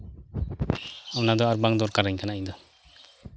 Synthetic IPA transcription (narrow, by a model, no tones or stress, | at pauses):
amnad̪ɔaɾbaŋd̪ɔɾkaɾɛɲkʰanaʔid̪ɔ